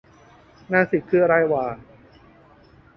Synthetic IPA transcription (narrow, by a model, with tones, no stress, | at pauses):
naː˥˩si˨˩kʰːɯ˥˩ɐɾaː˥˩jwaː˧